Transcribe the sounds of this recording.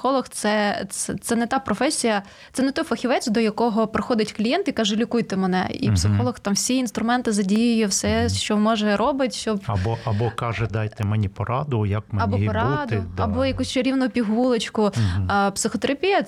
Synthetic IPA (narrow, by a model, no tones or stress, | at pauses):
xɔlˠɔxt̪sɛt̪ɛt̪sɛnɛt̪ɑpɾɔfɛsʲijɐ | t̪sɛnɛt̪ɔjfɐxʲiʋɛt͡sʲd̪ɔjɐkɔɦɔpɾɪxɔd̪ɪtʲklʲijɛnt̪ɪikɑʒʊlʲikujt̪ɛmɛnɛ̰ḭpsɪxɔlˠɔxt̪ɑmwsʲiin̪st̪ɾʊmɛnt̪ɪzɐdʲijʊjɛwsɛʃt͡ʃɔmɔʒɛɾɔbɪt̪ʲʃt͡ʃɔbɐbɔʔɐbɔkɑʒɛd̪ɑjt̪ɛmɛnʲipɔɾɑd̪ʊjɐkmɐbɔpɔɾɑd̪ʊd̪ɐbɔjɐkusʲt͡ʃɐɾʲiwnʊʊpʲiɦulˠet͡ʃkʊpsɪxɔt̪eɾɐpʲijɐ